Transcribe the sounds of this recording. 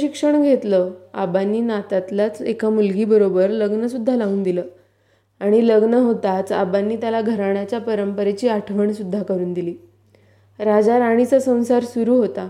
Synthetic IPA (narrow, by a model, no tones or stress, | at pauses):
ɕikʂəɳɡʱet̪ləːa̰banːiːnat̪at̪lat͡sekamulɡiːbəɾobəɾləɡnəsud̪ʱːalauːnd̪iləː | aɽ̃iləɡnəɦot̪at͡sa̰banːiːt̪jalaɡʱəɾaɳ̃jat͡ɕjapəɾəmpəɾet͡ɕiːaʈʰʋəɳsud̪ʱːakəɾuːnd̪iliː | ɾad͡zaɾaɽ̃it͡səsə̃w̃saɾsuɾuːɦot̪a